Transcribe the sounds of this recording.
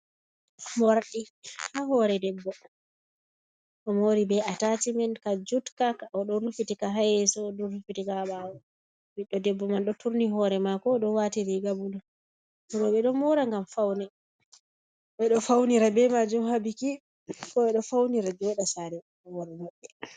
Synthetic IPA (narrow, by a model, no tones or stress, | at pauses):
mɔɾaɗihahɔɾɛdɛbːɔ | ʔɔmɔɾibɛatatimɛnkad͡ʒutkakaɔɗɔɾufitikaɦajɛsɔːɗɔɾufitikaɓawɔ | biɗːɔdɛbːɔmanɗɔtuɾniɦɔɾɛmakɔɗɔwatiɾiɡabula | buɾɔɓɛɗɔmɔɾaŋɡamfawnɛ | ɓɛɗɔfawniɾabɛmad͡ʒumhabiki | kɔɓɛɗɔfawniɾad͡ʒɔɗasaɾɛ | hɔɾɛmaɓːɛ